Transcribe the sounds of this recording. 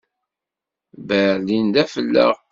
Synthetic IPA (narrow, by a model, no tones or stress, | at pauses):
bəɾlind̪æfəlːə̰ʁ